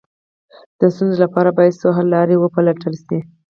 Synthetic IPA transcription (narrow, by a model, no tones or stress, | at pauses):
d̪̥əst̪unzolapɑɾabɑjad̪soɦalːɑɾewəpalaʈəlʃi